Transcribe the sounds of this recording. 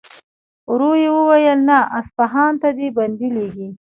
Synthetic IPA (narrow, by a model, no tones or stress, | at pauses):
ɾojewəwajəlnaʔaspaɦɑnt̪ad̪eband̪ileɡi